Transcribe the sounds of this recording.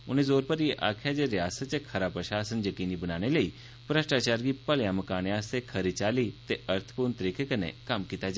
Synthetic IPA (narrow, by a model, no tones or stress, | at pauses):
ʊnezoːɾpəɾjeʔaːkʰjad͡ʒeɾjaːsət͡ʃekʰəɾaːpɾəʃaːsənjəkiːnibənaːñeləi | pɾəʃʈaːt͡ɕaːɾɡipəljaːməkaːnjaːst̪ekʰəɾit͡ʃaːlit̪eʔəɾt̪ʰə̥puːɾɳt̪əɾiːkʰekənḛkaːmkit̪ad͡ʒa